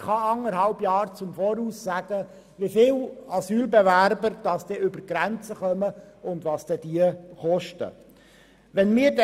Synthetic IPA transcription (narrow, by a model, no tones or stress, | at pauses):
χɑɑŋəɾɦɑlbjɑːɾt͡sʊmfɔːɾuːsːæɡ̥ə | ʋifɪlɑsyːlbɛvæɾbəɾd̥ɑsd̥ɛʏbəɾɡ̥ɾænt͡səχœməʊndʋɑːsd̥ɛd̥iəχɔʃtə̰ | ʋɛnmɪːɾd